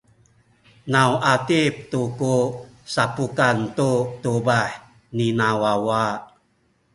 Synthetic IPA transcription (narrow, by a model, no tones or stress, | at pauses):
nawʔatip̚tukusapukant̪utubaħ | ninawawa